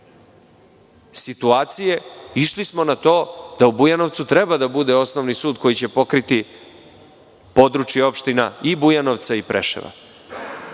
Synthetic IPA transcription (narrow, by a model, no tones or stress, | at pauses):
sit̪uaːt̪sije̞iʃlismo̞nat̪o̞ːd̪̥aubujano̞ʋt̪sut̪ɾe̞bad̪abud̪eo̞sno̞ʋnisuːd̪ko̞jit͡ɕe̞po̞kɾit̪i | po̞d̪ɾut͡ʃjeo̞pʃt̪inaibujanoʋt̪saipɾḛʃḛʋa̰